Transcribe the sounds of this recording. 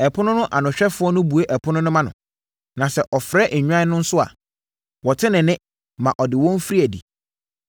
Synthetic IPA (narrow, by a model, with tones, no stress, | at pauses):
ɛ˨pʰʊ˦nʊ̃˦nʊ̃˦ʔa˨nʊ̃˨ɕᶣɛ˦fʊ˨˦ɔ˦nʊ̃˦bu˨e˦ʔɛ˨pʰʊ˦nʊ̃˦nʊ̃˦mã˦nʊ̃˨ | nã˨sɛ˨ʔɔ˨fɾɛ˦ʔɲᶣu˦ã˦nʊ̃˦n̩˦sʊ˦a̰˨ | wɔ˨tʰɪ˦nɪ̃˨nɪ̃˦ | mã˨ʔɔ˨dɪ˨wɔ̃˦m̩˦fɾi˦æ˨dḭ˨